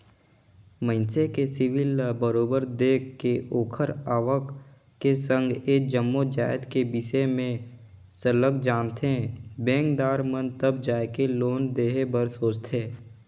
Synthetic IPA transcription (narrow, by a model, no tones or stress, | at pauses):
mə̃ɪnsekesɪʋɪlbəɾoːbəɾd̪eːkʰːeʔoːkʰəɾaːʋək | kesə̃ŋɡeːk̚d͡ʒəmːod͡ʒaːɪd̪kebɪsemẽ | sələkd͡ʒaːnt̪ʰeẽbẽːŋkd̪aːɾmənt̪əb̚d͡ʒaːekeloːnd̪eːɦebəɾsoːt͡ʃt̪ʰeː